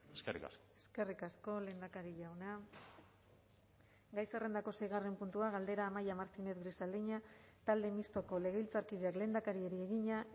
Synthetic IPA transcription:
eskerḭka̰skoeske̞rikasko̞le̞ːnd̪akaɾiʝawna | ɡajsere̞nd̪ako̞se̞jɣ̞are̞mpunt̪uaɣald̪e̞ɾaːmajamaɾt͡sinet̪ɡrisald̪iɲat̪ald̪e̞mist̪o̞ko̞le̞ɣeilt͡saɾkiðeakle̞ːnd̪akaɾie̞ɾie̞ɣiɲa

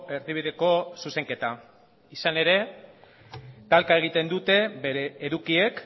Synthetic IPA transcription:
e̞ɾðiβ̞iðe̞ko̞suse̞ŋke̞t̪a | isane̞ɾe̞ | t̪alkae̞ɣ̞it̪e̞nd̪ut̪e̞be̞ɾe̞ːðukie̞k

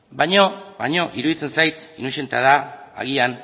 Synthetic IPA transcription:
bajɲoβajɲo̞ʔiɾuðit͡se̞nsajt̪inuʃe̞nt̪eaðaa̰ɣian

